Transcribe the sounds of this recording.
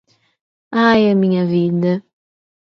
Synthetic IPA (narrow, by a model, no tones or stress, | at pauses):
ajɐmĩɲɐvid̪ɐ